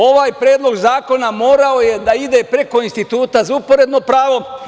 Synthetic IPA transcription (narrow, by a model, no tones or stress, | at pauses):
o̞ʋaːjpɾeːd̪lˠo̞ɡzaːko̞namo̞ːɾao̞je̞d̪aid̪e̞pɾe̞ko̞inst̪it̪uːt̪azaupo̞ɾe̞d̪no̞pɾaːʋo̞